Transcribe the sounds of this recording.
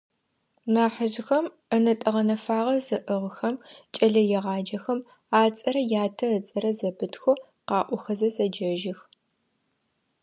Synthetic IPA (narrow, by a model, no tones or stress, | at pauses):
maːħəʒɪxɐm | ənɐtʼɐʁɐnɐfaːʁɐzɨʔɨʁxɐmt͡ʃʼɐɮɐjɛʁɑːd͡ʒɐxɐm | aːt͡sʼɐɾɐjaːtʰɐət͡sʼɐɾɐzɐbɨtxʷo | qɑːʔʷʊxɐzɐzɐd͡ʒɐʒɪx